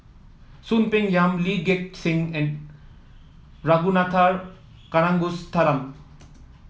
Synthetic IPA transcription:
sunpeŋjamliɡek̚ʈsiŋɛn | ɾaɡunat̪ʰaɾ | kaɽãŋɡust̪ʰaɾam

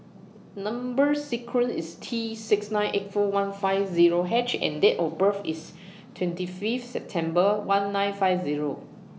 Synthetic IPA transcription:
nãmbəsikʰɹə̃nsistʰisɪksnãɪ̃nʔetfɔwãnfaɪfziɹoɦɛt͡ʃɛ̰̃ndɛtɔfbəfḭs | tʰwɛ̃ntififtsɛp̚tʰɛ̃mbəwãnːãjnfaɪfziɹo

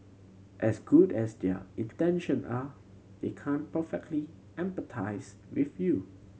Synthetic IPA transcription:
ʔɛsɡudɛsdɛ̰ĩntɛ̃nʃə̃nʔa | d̥ekʰãnpəfɛk̚tli | ʔɛ̃mpətʰaɪs | wiθju

